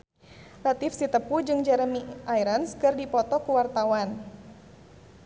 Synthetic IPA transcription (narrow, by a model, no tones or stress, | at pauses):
lat̪ifsit̪əpud͡ʒɨŋd͡ʒɛɾəmiʔaiɾanskɨrdipɔt̪ɔkuwart̪awan